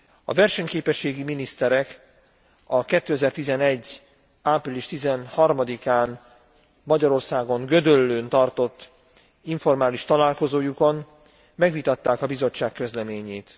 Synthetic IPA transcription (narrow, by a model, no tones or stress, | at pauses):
ɒ̰vɛrʃɛɲkeːpɛʃːeːɡiminist̪ɛɾɛk | ɒkɛt̪ːøːɛzɛrt̪izɛnɛɟː | aːpriliʃt̪izɛnhɒrmɒd̪ikaːn | mɒɟɒɾo̞rsaːɡo̞ŋɡød̪ølːøːnt̪ɒrt̪o̞t̪ː | iɱfo̞rmaːliʃt̪ɒlaːlko̞zoːjuko̞n | mɛɡʋit̪ɒt̪ːaːkɒbizo̞t͡ʃːaːkːø̞zlɛmeːɲeːt̪